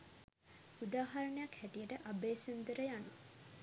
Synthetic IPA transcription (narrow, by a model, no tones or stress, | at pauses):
ud̪aːɦaɾəɳəjakhæʈijəʈəʔabeːsund̪əɾəjanu